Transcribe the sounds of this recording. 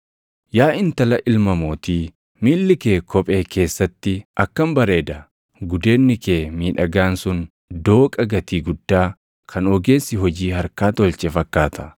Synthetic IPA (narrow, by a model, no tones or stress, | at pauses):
jaːɪnt̪ɐlɐʔɪlmɐmoːt̪iː | miːlːɪke̞ːkʰɔpʼe̞ːkʰe̞ːsːɐt̪ːɪʔɐkːɐmbɐɾe̞ːd̪ɐ | ɡʊd̪e̞ːnːɪke̞ːmiːᶑɐɡaːnsʊn | d̪o̞ːkʼɐɡɐt̪iːɡʊd̪ːaː | kʰɐnɔɡe̞ːsːɪɦɔd͡ʒiːhɐɾkaːt̪ɔlt͡ʃʼɛfɐkːaːt̪ʰɐ̥